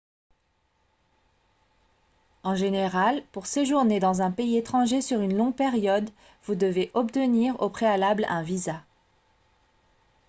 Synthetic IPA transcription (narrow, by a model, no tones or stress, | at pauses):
ɑ̃ʒeneʁalpuʁseʒuʁned̪ɑ̃zɛ̃peiet̪χɑ̃ʒesyʁynlɔ̃ŋɡ̚pɛʁjɔd̪ | vud̪əveʔɔpt̪əniʁopχealablɛ̰̃viza